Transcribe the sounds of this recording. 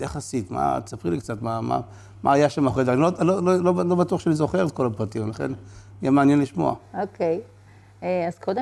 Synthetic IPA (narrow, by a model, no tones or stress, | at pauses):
jaχasitma̰t͡sapʁilikt͡satmama̰ | ma̰ːjaʃamaχed̪anilolololoblobatuaχʃeanizo̞χeʁet̪̚ko̞lapʁatimvlaχḛnijemaːnjenliʃmo̰a̰okej | eazkod̪e